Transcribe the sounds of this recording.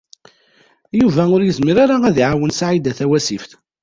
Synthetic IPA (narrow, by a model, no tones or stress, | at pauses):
juvæʊɾjəzmiɾaɾaæðiʕawənsʕid̪æθæwæsifθ